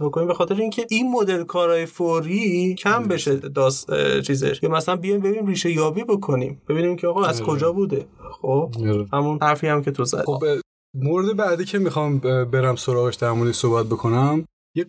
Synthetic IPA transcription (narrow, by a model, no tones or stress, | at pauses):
bokoniːmbexɒːt̪ʰe̞ɾeincʰe̞inmod̪e̞lkʰɒːɾɒːjefoɾiːcʰæmbe̞ʃed̪ɒːst͡ʃʰiːze̞̰ʃjɒːmæsælænbijɒjmbe̞binmriːʃe̞jɒːbiːbo̞kʰo̞nḭːmb̥e̞biːniːmcʰeɒːɣɒæzkʰo̞d͡ʒɒːbuːd̪e̞xob̥hæmunhæɾfiːæmcʰe̞t̪ʰozæ̰̥xob | moɾed̪ebæd̪iːcʰemixɒmbe̞ɾæmso̞ɾɒːɣe̞ʃd̪æɾmoːd̪eʃsohbæt̪̚bo̞kʰo̞næm | je